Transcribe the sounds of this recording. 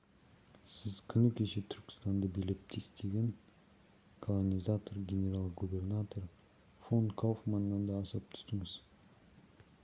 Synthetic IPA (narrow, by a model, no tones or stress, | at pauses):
sɪzkʲʰʏnɪkʲʰeʃet̪ʰʏɾkʲɪ̥st̪and̪ɑbelɪp̚t̪ʰest̪ʰeɡʲen | kʰolˠonʲizat̪orɡʲenʲeɾalˠqɡube̞rnat̪o̞r | fonkʰowfmanːɑnd̪ɑːsəp̚t̪ʰʏ̥t̪ɪŋɪz